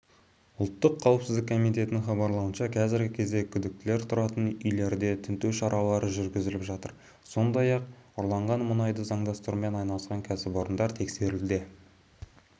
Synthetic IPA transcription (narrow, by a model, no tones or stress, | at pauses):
ʊlˠt̪ːəqʰːɑwəpsɪzd̪ɪkʰːo̞mijt̪e̞t̪ɪnɪŋχɑbɑɾlˠɑwənʃɑkʲʰæzɪɾɡʲɪkʲʰe̞zd̪e̞kʲʰʏd̪ɪk̚t̪ɪle̞ɾt̪ʰʊɾɑt̪ənʏjle̞ɾd̪e̞t̪ʰʏnt̪ewʃɑɾʔɑlˠɑɾəʒʏɾɡʲɪzɪlɪpʒɑt̪ə̰ɾ | so̞nd̪ɑjɑqʊɾlˠɑɴʁɑnmʊnɑjd̪əzɑɴd̪ɑst̪əɾume̞nɑjnɑlˠəsqɑŋkʲʰæsɪpo̞ɾənd̪ɑɾt̪ʰe̞kse̞ɾɪld̪e